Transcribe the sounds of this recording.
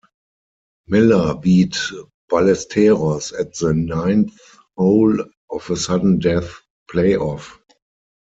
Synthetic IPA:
mɪləbiːt | b̥alɛstʰɛʁɔsɛtðənãɪ̃nθ | hoʊl | ʔɔfəsadən̩dɛθ | pʰleɪɔf

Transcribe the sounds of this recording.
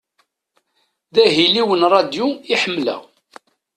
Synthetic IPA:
ðæɦiliwənɾˤɑd̪juiħəmːlæ̰w

